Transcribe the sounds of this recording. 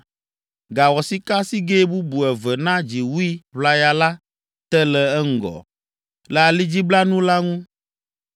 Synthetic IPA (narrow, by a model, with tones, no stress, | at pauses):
ɡa˨wɔ˨si˦ka˦si˦ɡe˦bu˦bu˨ɛ˨vɛ˨nã˦d͡ʒi˨wu˦i˦βla˦ja˦la˦ | t̪ɛ˦lɛ˨ɛ˦ŋ̩˦ɡɔ̰˨ | lɛ˨a˨li˦d͡ʑi˦bla˦nũ˦la˦ŋũ˦